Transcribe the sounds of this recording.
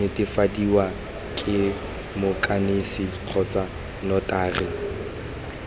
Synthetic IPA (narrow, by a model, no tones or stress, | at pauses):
ɪtʼɪfadiwa | kʼɪ | mʊkʼanisiq͡χʰɔt͡sʼa | nɔtʼaːrɪ